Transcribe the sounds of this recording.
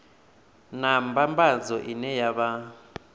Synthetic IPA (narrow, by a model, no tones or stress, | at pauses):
nambambazɔʔinɛjaβa